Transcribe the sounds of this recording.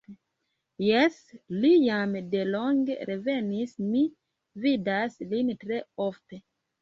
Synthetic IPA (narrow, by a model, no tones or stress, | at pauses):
jɛs | lijamdelɔŋɡeɾevenismi | vidaslimitɾeɔfte